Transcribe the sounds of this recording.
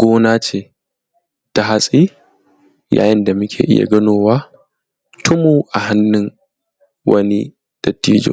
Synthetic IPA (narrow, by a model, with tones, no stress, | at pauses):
ɡ̥ʷoː˦naː˦t͡ʃeː˨ | d̥a˨ɦa˦sʼiː˦ | ja̰ː˨jɪ˦nda˨mʊ˦kʲʰḛː˨ʔɪ̰˦ja̰˨ɡɐ˦noː˦waː˦ | tʰʊ˦moː˦ʔa˨ɦa˦nːʊ˦ŋ | wɐ̰˦ni˦ | d̥ɐ˨tːiː˦d͡ʒo̰ː˨